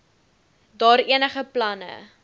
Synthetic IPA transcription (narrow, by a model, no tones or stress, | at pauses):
dɑːɾiənəχəplɐnə̰